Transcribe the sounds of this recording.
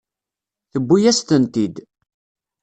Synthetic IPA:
θəbːijæst̪ənt̪id̪

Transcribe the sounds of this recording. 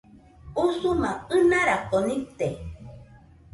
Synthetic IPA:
usumãɨnãɾakonĩpt̪e

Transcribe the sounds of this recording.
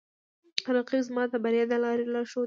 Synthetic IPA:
aɾɑqizmɑt̪abaɾjɑd̪alɑɾelɑʃo

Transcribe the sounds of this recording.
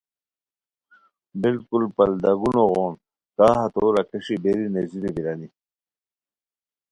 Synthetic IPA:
bilkulpɐld̪aɡunoɣoːn | kaːɦɐt̪oːɾɐkeʂibeɾineziɾibiɾani

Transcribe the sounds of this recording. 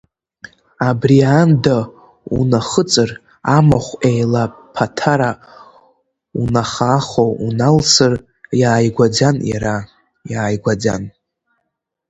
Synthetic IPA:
abrianda | ṵnaχət͡sʼɨr | amaχʷejlapʰatʰaɾa | unaχaːχowunalsɨr | jaːjɡʷad͡zanja̰ɾa | jaːjɡʷad͡za̰n

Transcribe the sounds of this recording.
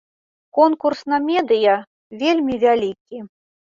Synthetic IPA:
kɔnkursnɐmʲɛd̪ɨjɐ | vʲelʲmʲivʲalʲikʲi

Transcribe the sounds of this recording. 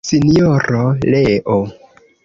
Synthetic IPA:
sinijoɾoleʔo

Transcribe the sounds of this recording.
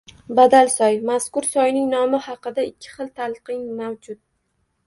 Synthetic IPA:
bad̪alˠsɒjmaskʊɾsɒjnɪŋnɒmɪhɑqɨd̪aɪkʲʰːɪ̥χɨlˠt̪ʰalˠqɨŋmawd͡ʒʊt̪̚

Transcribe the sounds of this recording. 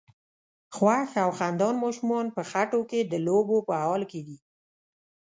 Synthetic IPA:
xwaxawxand̪ɑnmɑʃumɑnpəxaʈoked̪əlobopəɑlked̪i

